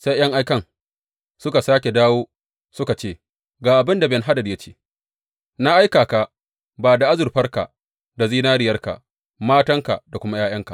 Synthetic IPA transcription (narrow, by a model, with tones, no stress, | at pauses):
sa˦jjɐ˦ŋʔa˦jkɐ˦ŋ | sʊ˦ka˨saː˦kʲe˨daː˦woː˦ | sʊ˦ka˨t͡ʃeː˦˨ | ɡaː˨ʔa˨bɪ˦nda˨bɛ˨nɦa˦dɐ˨dja˦t͡ʃe̥ː˦ | na˦ʔa˦jkaː˨ka˨ | baː˨da˨ʔa˦zʊ˨rɸɐ˦rka̰˨ | da˨ziː˦naː˦ɽɪ˦jɐ˦rka̰˨ʔ | maː˦tɐ˦ŋka̰˨ʔda˨kʷʊ˦ma˦jaː˦j̰ɐ˦ŋka˨ʔ